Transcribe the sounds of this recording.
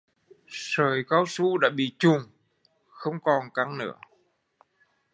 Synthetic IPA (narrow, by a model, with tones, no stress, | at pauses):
səː˨˩jkaː˨˦wsu˧˥ɗa̰ː˧˥ɓḭ˧˨t͡ɕu˨˧˩ŋ | xə˧wŋ͡mkɔ˨˩nka˨˦ŋnɨ̰˧˥ə